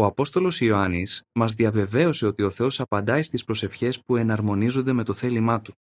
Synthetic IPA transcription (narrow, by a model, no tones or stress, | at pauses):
o̞ɐpo̞st̪o̞lo̞sioɐnismɐzðiɐve̞ve̞o̞se̞o̞t̪io̞θe̞o̞sɐpɐnd̪ɐist̪ispɾo̞se̞fçe̞spue̞nɐɾmo̞nizo̞nd̪e̞me̞t̪oθe̞limɐt̪u̥